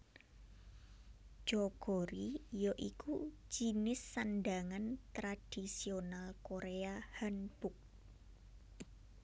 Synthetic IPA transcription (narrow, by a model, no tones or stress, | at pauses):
ʒ̥ɔɡ̥ɔɾijɔʔiku̥ | d͡ʒ̥i̤nɪsːanɖaŋant̪ɾad̥isionalkoɾeahanbʊk̚